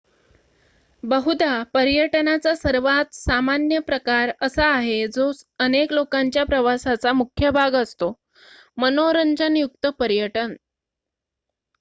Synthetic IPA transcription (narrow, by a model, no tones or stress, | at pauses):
bəɦud̪apəɾjəʈnat͡sasəɾʋat̪samanjəpɾəkaɾəsaːɦed͡zosəneklokaɲt͡ɕjapɾəʋasat͡samukʰjəbʱaɡəst̪o | mənoɾəɲd͡ʑənjuk̚t̪əpəɾjəʈən